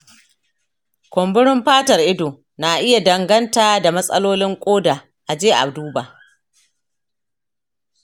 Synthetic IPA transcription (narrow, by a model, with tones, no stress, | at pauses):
kʷɔ˨mbɪ˦ɽɪ˦mɸaː˦tɐ˨rʔɪ˦doː˨ | na˨ʔɪ˦ja˨dɐ˨ŋɡɐ˦ntaː˨da˨mɐ˦sʼɐ˦loː˦lɪ˦ŋkʷʼoː˦daː˨ | ʔa˨d͡ʒeː˦ʔa̰˨bduː˦baː˨ʔ